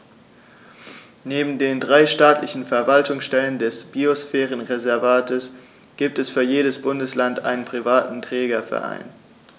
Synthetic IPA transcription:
neːbm̩deːndʁaɪʃtaːtlɪçn̩fɛɐvaltʊŋsʃtɛləndɛsb̥iosfɛːʁ̞ənʁezɛɐvaːtʰəs | ɡ̥iːp̚tɛsfyːɐjeːdəsb̥ʊndəslantʔa̰ɪnənpʁ̥ivaːtn̩tʁ̥ɛːɡɐfɛ̰ɐʔa̰ɪn

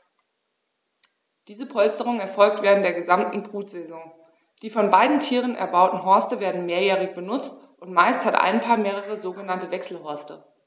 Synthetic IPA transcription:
d̥iːzəpʰɔlstəʁ̞ʊŋɛɐfɔlk̚tv̥eːʁəntd̥eːɐɡəzamtn̩bʁuːtz̥ɛzɔ̃ŋ | d̥iːfɔnbaɪdn̩tʰiːʁənɛ̰ɐbaʊtn̩ɦɔɐstəveːɐdn̩meːɐjɛːʁɪçb̥ənʊt͡stʔʊntmaɪsthatʔa̰ɪnpʰaːɐmeːʁəʁ̞əzoːɡənantəvɛksl̩ɦɔɐstə

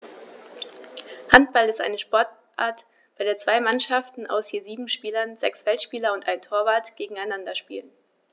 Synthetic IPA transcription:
hant̚b̥alɪstʔa̰ɪnəʃpɔɐtʔa̰ːɐt | b̥aɪdeːɐt͡sv̥aɪmanʃaftn̩ʔa̰ʊshiːɐziːbm̩ʃpiːlɐnzɛksfɛltʃpiːlɐʊntʔaɪntʰoːɐvaɐtɡ̥eːɡŋ̩aɪnandɐʃpḭːlən

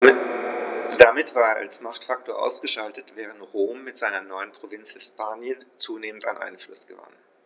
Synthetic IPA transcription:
d̥amɪtv̥aːɐeːɐa̰lsmaχtfak̚toːɐʔa̰ʊsɡ̥əʃaltətv̥ɛːʁəntʁoːmːɪtz̥aɪnɐnɔʏənpʁ̥ovɪnt͡shɛspaːnjənt͡suːneːmənta̰nʔa̰ɪnflʊsɡ̥əva̰n

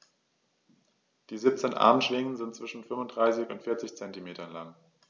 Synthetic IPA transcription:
d̥iːziːp̚t͡seːnʔa̰ɐmənʃv̥ɪŋənzɪntt͡sv̥ɪʃn̩fʏmfʊnd̥ʁaɪsɪçʊntfɪɐt͡sɪçt͡sɛntimeːtɐnlaŋ

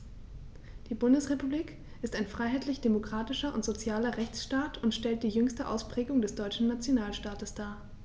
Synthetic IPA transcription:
d̥iːbʊndəsʁepubliːk | ʔɪstaɪnfʁ̥aɪɦaɪtʰlɪçd̥emokʁ̥aːtɪʃɐʔʊntz̥ot͡sjaːlɐʁɛçt͡sʃtaːtʰʊntʃtɛlt̚d̥iːjʏŋstəʔa̰ʊspʁ̥ɛːɡʊŋdɛsd̥ɔʏt͡ʃn̩nat͡sjonaːlʃtaːtəsd̥aːɐ

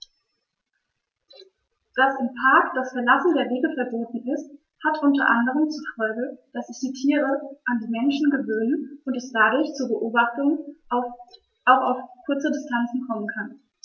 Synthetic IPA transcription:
d̥asɪmpʰaɐkd̥asfɛɐlasn̩deːɐveːɡəfɛɐboːtn̩ɪst | hatʔʊntɐʔandəʁ̞əmt͡suɐfɔlɡəd̥asz̥ɪçd̥iːtʰiːʁ̞əʔandiːmɛnʃn̩ɡəvøːnənʔʊntɛsd̥adʊɐçt͡suːɐbəʔoːbaχtʊŋ | ʔaʊxaʊfkʰʊɐt͡sədɪstʰant͡sn̩kʰɔmənkʰan

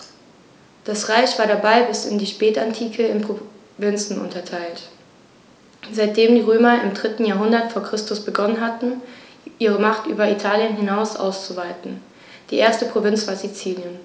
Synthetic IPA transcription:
d̥asʁaɪçv̥aːɐɾabaɪbɪsɪ̰ndiːʃpɛːtantʰiːkʰəɪnpʁ̥o | vɪnt͡sn̩ʔʊ̰ntɐtʰaɪlt | zaɪt̚d̥eːmdiːʁøːmɐɪmdʁɪtn̩jaːɐɦʊndɐtfoːɐkʁ̥ɪstʊsb̥əɡɔnənɦatn̩ | ʔiːʁ̞əmaχtʔyːbɐitʰaːljənɦɪnaʊsʔa̰ʊst͡suvaɪtn̩ | d̥iːʔeːɐstəpʁ̥ovɪnt͡sv̥aɐzit͡siːnjən

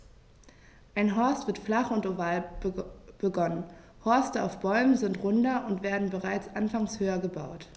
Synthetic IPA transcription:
ʔaɪnɦɔɐstv̥ɪɐtflaχʊntovaːl | b̥əɡɔnən | hɔɐstəaʊfb̥ɔʏmənzɪntʁʊndɐʔʊntv̥eːɐdn̩bəʁaɪt͡sʔanfaŋshøːɐɡəbaʊt

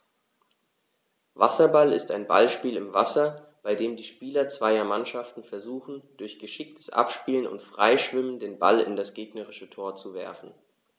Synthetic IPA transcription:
va̰sɐbalɪ̰staɪnba̰lʃpiːlɪmvasɐ | b̥aɪdeːmdiːʃpiːlɐt͡sv̥aɪɐmanʃaftn̩fɛɐzuːxn̩d̥ʊɐçɡ̥əʃɪk̚tʰə̥sʔa̰pʃpiːlənʊ̰ntfʁ̥a̰ɪʃv̥ɪməndeːnba̰lɪ̰ndasɡ̥eːɡnəʁɪʃətʰoːɐt͡suvɛ̰ɐfn̩

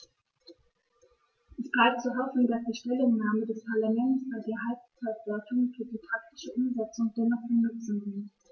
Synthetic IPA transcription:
ʔɛsb̥laɪp̚tt͡suːɦɔfn̩dasd̥iːʃtɛlʊŋnaːmədɛspʰaɐlamɛntsb̥aɪdeːɐɦalp̚t͡satv̥ɔɐtʊŋfyːɐdiːpʰʁ̥ak̚tɪ̥ʃəʔʊmzɛt͡sʊŋdɛnɔχb̥ənʊt͡sn̩vɪn

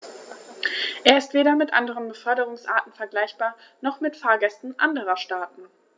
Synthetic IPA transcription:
ʔeːɐɪstv̥eːɾɐmɪtʔa̰ndəʁ̞ənbəfœɐɾəʁ̞ʊŋsʔa̰ːtn̩fɛɐɡlaɪçb̥aːɐ | nɔχmɪtfaːɐɡɛstn̩ʔandəʁɐʃtaːtn̩

